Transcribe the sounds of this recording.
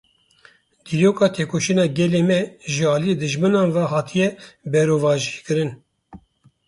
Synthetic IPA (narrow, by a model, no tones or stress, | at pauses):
d̪iɾoːkɑːt̪ʰeːkʰoʃinɑːɡɛleːmɛʒəɑːlijed̪ɨʒmɨnɑːnvɑɦɑːt̪ʰijɛbɛɾoːvɑːʒikɨɾɨn